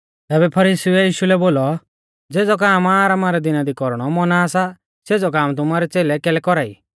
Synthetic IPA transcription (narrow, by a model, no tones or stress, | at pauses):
t̪ɛːbɛpʰɐɾiːsuɛjiːʃulɛboːlɔ | d͡zeːd͡zɔk̬aːmaːɾamaːɾɛd̪ɪnad̪ikɔɾɽ̃ɔmɔnaːsa | seːd͡zɔkaːmt̪̬ʊmaːɾɛt͡seːlɛkɛːlɛkɔɾaːḭ